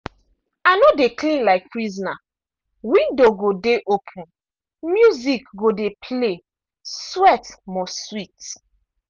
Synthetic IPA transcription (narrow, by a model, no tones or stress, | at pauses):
anodeklĩnlaɪk̚pɹizɔna | wĩndoɡodeʔopʰũn | mjuzikɡodepʰle | swɛtmɔswit